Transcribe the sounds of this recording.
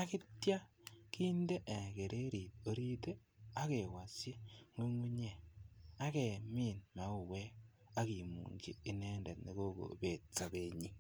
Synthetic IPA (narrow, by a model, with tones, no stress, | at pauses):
a˦ki˦tja˦kiː˦nde˦ʔe˨ke˨ɾʔe˦ɾi˨to˨ɾi˦te˦ | a˦ke˨wa˨se˦ŋwi˦ŋwu˦ɲe˦a˦ke˨mi˦˨nma˨˦u˨we˦ | a˦ki˨mṵ˨ŋɡḭ˦i˦ne˦nde˨tne˦ko˦ko̰˨be˨t͡sːa˨βe˦ɲi˦